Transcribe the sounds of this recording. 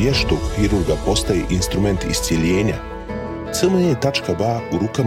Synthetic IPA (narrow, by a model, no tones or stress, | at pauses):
jeʃt̪oɡxiɾuɾɡapo̞st̪ajeʔinst̪ɾume̞nt̪ḭst̪sʲjeʎeːɲa | t̪sɨməet̪at͡ʃkabauɾuka